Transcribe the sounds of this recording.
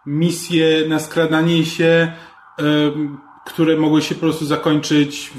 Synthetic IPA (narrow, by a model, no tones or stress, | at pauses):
mʲisʲjɛnaskɾad̪aɲɛɕɛ | kt̪uɾɛmɔɡwɘɕɛpɔpɾɔst̪uzakɔɲt͡ʂɘt͡ɕ